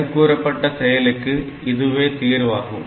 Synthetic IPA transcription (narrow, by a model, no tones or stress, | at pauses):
kːuːɾɐpːeʈːɐsrɐjɐlekːɨ | iðuʋe̞t̪iːrʋaːɣṵm